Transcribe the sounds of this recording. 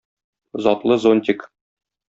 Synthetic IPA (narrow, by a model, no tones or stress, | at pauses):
zɒt̪lˠɤzonʲt̪ʲik